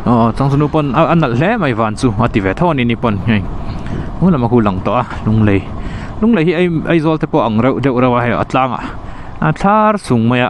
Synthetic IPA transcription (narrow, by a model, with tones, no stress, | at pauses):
ʔɔː˨˩t͡sa˧ŋt͡su˧nu˧pɔ˧˨nʔa˧nɐ˨l̥ɛ˦ma˨jvaː˨nt͡su˧a˧t̪i˨vɛ˨t̪ʰɔ˧˦a˧ni˧ʔni˧pɔ˧nŋa˧j | nu˧˦la˨ma˧kʰu˧la˨ŋt̪ɔ˧˨ʔa˧˨lu˧ŋle˨j | lu˧˦ŋle˨jɦi˦ʔjʔɐ˧jzɔ˧lt̪ɛ˧pɔ˧ʔa˨ŋɾe˧˨wdɛ˧˨wɾa˧wʔa˧ɦɛ˧jɔ̰˨ʔa̰˧t͡ɬaː˧ŋa̰˨ʔ | at͡ɬʰa˦rsu˨ŋma˧ja˨ʔ